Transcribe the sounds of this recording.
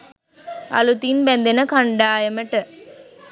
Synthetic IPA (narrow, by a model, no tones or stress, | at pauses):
ɐ̰lut̪inbɛnd̪enɐkɐɳɖaːjɐmɐʈɐ